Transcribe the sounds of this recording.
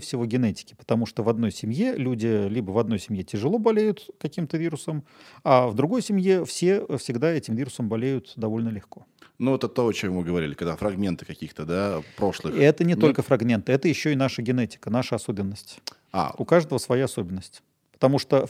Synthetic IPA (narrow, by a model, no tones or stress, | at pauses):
fsʲɪvo̞ɡʲɪnɛtʲɪ̥kʲɪ̥pə̥t̪ɐmuʂt̪ovɐd̪no̞jsʲɪmʲje̞lʲudʲɪlʲibəvɐd̪no̞jsʲɪmʲjetʲɪʐɨlˠo̞bɐlʲejʊt̪kɐkʲimt̪əvʲiɾʊsəmavd̪ɾʊɡo̞jsʲɪmʲje̞fsʲe̞fsʲɪɡd̪aɛtʲɪmvʲiɾʊsəmbɐlʲejʊt̪d̪ɐvo̞lʲnəlʲɪxko̞ | nuot̪ɛt̪ːoɐt͡ɕomvɨɡəvɐɾʲḭlʲɪkɐɡd̪afɾɐɡmʲe̞nt̪ɨ̥kɐkʲixt̪əd̪apɾo̞ʂlˠɨxɛt̪ənʲɪt̪o̞lʲkəfɾɐɡmʲe̞nt̪ɨɛt̪əjɪɕːoɪnaʂəɡʲɪnɛtʲɪ̥kənaʂəɐsobʲɪnːəsʲtʲ | a̰ʊkaʐd̪əvəsvɐjaɐso̞bʲɪnːəsʲtʲ | pə̥t̪ɐmuʂt̪o